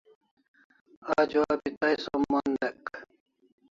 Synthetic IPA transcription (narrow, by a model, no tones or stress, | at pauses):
aːd͡ʑuaːbit̪ajsomaːnd̪ɐk